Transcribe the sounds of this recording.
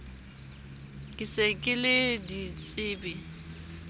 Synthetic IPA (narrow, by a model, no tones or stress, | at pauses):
kʼɪsekʼɪlɪdit͡sʼɪːbɪ